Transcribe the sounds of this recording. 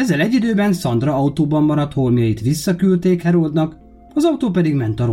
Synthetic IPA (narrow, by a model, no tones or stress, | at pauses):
ɛzːɛlɛɟːid̪øːbɛnsɒnd̪rɒɒut̪oːbɒmːɒɾɒt̪hormjɒjit̪ʋisːɒkylt̪eːkhɛɾoːd̪nɒk | ɒzɒut̪oːpɛd̪iɡmɛnt̪ɒɾo